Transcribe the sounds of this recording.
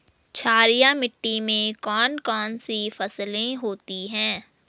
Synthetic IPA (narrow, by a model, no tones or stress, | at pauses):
t͡ʃʰaːɾijamɪʈːimẽkɔːnkɔːnsifɐslẽɦoːt̪iɦɛ̃ː